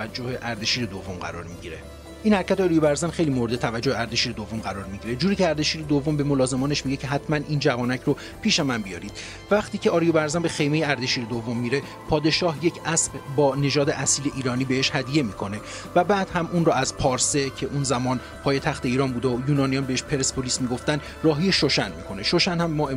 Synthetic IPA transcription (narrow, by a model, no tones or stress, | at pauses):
ævæd͡ʒːohe̞ʔæɾd̪e̞ʃiːɾe̞d̪o̞vːo̞mɢæ̰ɾɒ̰ːɾmiɟiɾe̞ | ʔiːnhæɾcʰæt̪eɒːɾijobæɾzænxe̞jlimo̞ɾed̪et̪ʰævæd͡ʒːoeæɾd̪eʃiːɾe̞d̪o̞vːo̞mɢæɾɒːɾmiɟiːɾe̞d͡ʒuːɾiːcʰeæɾd̪e̞ʃiːɾed̪ovːo̞mbe̞mo̞lɒːze̞mɒːne̞ʃmiɟe̞cʰeɦæt̪ʰmæniːnd͡ʒævɒːnæcʰɾo | pʰiːʃemænbijɒ̰ːɾiːd̪̚ | væχt̪iːcʰe̞ɒːɾijobæɾzænbe̞xe̞jme̞jeæɾd̪e̞ʃiːɾed̪ovːo̞mːiːɾe̞ | pʰɒːd̪e̞ʃɒːɦje̞cʰʔæsbbɒːne̞ʒɒːd̪eʔæsiːleʔiːɾɒːniːbeheʃhæd̪ije̞miːkʰo̞ne̞ | væbæːd̪̥hæmunɾɔːæzpʰɒːɾse̞cʰe̞ʔunzæmɒːn | pʰɒːje̞t̪ʰæxt̪ʰeiːɾɒːnbuːd̪eojuːnɒːnijɒːnbeeʃpʰe̞ɾespʰo̞liːsmiːɡo̞ft̪ænd̪ | rɒːɦijeʃo̞ʃænmiːkʰo̞ne̞ʃo̞ʃænhæmːɒːe